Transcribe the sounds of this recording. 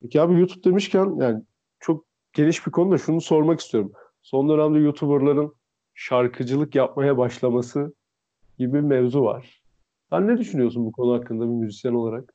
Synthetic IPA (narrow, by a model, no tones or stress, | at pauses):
pʰecihaːbijut̪ʰu̥p̚d̪e̞miʃcʰænjʔaːni | t͡ʃʰo̞k̚ | ɟ̥e̞niʃbikʰo̞nud̪aʃunuso̞ɾmaki̥st̪ʰijo̞ɾum | so̞nd̪ø̞næmd̪ɛjut̪ʰubɯɾlˠaɾɯn | ʃaɾkʰɯd͡ʒɯlˠɯkjap̚majabaʃlˠamasɯ | ɟ̥ibimɛvzuva̰ɾ̥ | sænːɛd̪yʃynyjo̞sunbukʰo̞nuɦakʰːɯnd̪abimyzisjænoaɾak̚